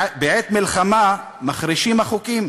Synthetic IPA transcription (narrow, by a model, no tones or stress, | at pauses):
beʕet̪milχama | maχɾiʃimhaχukim